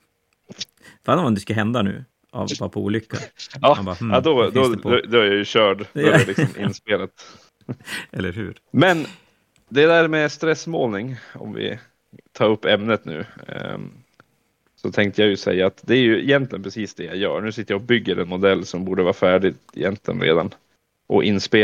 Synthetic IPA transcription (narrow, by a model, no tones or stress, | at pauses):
faːnɔd̪ɛskaɦɛnd̪anʉ̟ː | a̰vvɑpʰɔṵːlʏkːa̰ɑːad̪ɔd̪ɔd̪ɔæɾjajɵɕœːɖd̪alɪkɔmʔɪ̰nspeːlat̪ | ɛlːəɾhʉ̰ːɾ | mɛn | d̪ɛd̪æɾmɛst̪ɾɛsmoːlnɪŋɔ̰mvɪ̰ | t̪ʰɑːɾɵpːɛmnət̪nʉ̟ː | sɔt̪ʰɛŋkt̪əjajɵsɛ̰jːaːt̪d̪ɛæɾjɵɪjɛnt̪lɪɡənpʰɾɛsiːsd̪ɛjajœ̰ːɳʉ̟ːsɪt̪ːəjaɔbʏɡːəɾʔɛnmʊd̪ɛlːsɔmbuːɖəvɑːɾfæːɖɪ | ɪ̰jɛnt̪ʰlɪ̰ɡə̰nɾḛːd̪a̰n | ʔɔ̰ʔɪnːspeː